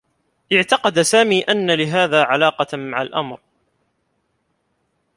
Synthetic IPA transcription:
ʔɪʕt̪ɑqɑd̪saːmiːʔanːalɪɦaːðaːʕalɑːqɑmaʕalʔa̰mɾ

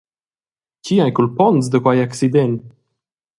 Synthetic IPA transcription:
ciajkulpɔnz̬d̪əkwajaksid̪ɛn

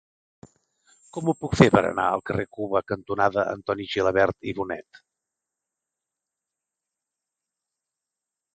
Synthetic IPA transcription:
kɔmupukfepəɾə̰na̰əlˠkərekuβəkənt̪unaðəʔə̰nt̪ɔniʒiləβɛɾt̪iβunɛ̰t̪

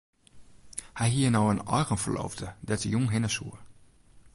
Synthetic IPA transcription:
hɛjɦiənɔwənɔ̰jɣənfərlo̰ːfdədɛtəjuŋɦɪnəsuə

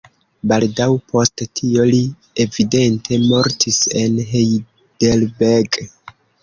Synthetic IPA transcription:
baldawpʰo̞sttʰio̞li | evide̞ntʰe̞mo̞ɾtʰise̞nɦej | d̥elbeɡ

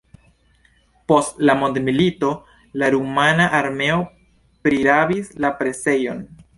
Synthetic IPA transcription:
po̞stlamondmilito̞ | laɾumanaʔaɾme̞o̞ | pɾiɾabislapɾe̞se̞jo̞n

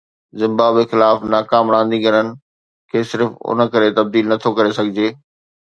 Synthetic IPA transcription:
zɪ̃mbaːbexɪlaːfnaːkaːmɾãːn̆d̪ĩɡɐnənɪ̆ | kʰeːsɪɾfʊ̰nə̆kɐɾet̪ɐb̚d̪iːlnɐt̪ʰokɐɾesɐɡʱɪd͡ʑeː

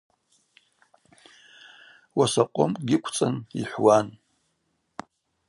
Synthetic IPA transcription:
wasaqʷʼo̰mɡʲɪkʷʰt͡sʼanḭħʷwan

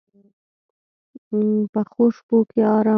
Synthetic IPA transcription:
pəxoʂpokeɑɾɑ

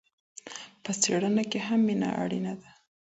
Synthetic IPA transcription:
pəseɽənakeɦamːinɑ̰a̰ɽinad̪a

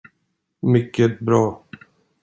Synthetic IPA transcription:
mʏkːət̪̚bɾɑː

